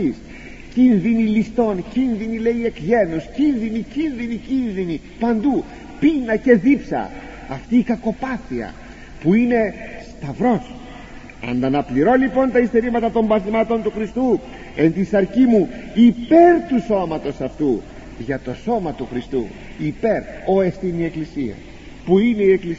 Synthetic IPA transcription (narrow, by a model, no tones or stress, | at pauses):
is | cinðinilist̪o̞ncinðinileie̞kʝe̞nuscinðinicinðinicinðini | pɐnd̪u | pinɐce̞ðipsɐ̰ | ɐft̪iːkɐko̞pɐθiɐ̰ | puine̞st̪ɐvɾo̞s | ɐ̰nd̪ɐnɐpliɾo̞lipo̞nt̪ɐist̪eɾimɐt̪ɐt̪o̞mbɐθizmɐt̪o̞nt̪uxɾist̪u | e̞nt̪isɐɾcimuipe̞ɾt̪uso̞mɐt̪o̞sɐft̪u | ʝɐt̪o̞so̞mɐt̪uxɾist̪ṵ | ipe̞ɾo̞esθinie̞klisiɐ̰ | puine̞ie̞klis